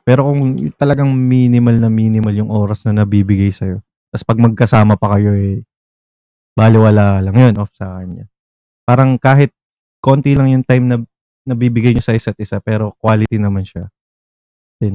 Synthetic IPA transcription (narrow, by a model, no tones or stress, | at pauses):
pɛːɾo̞kʊŋt̪ɐlɐɡɐŋmiːnɪmɐlnɐmiːnɪmɐljʊŋʔoːɾɐsnɐnɐbiːbɪɡajsɐjo̞ | t̪ɐspɐɡ̚mɐɡ̚kɐsaːmɐpɐkɐjo̞ɛ | baːlɪwɐlaːlɐŋjo̞nʔofsɐkɐɲa̰ | paːɾɐŋkaːɦɪt̪̚ | ko̞nt̪ilɐŋjʊŋt̪ajmnɐ | nɐbiːbɪɡajɲosɐɪsɐt̪̚ɪsapɛːɾo̞kwaːlɪt̪inɐmanʃa | d̪̥ɛn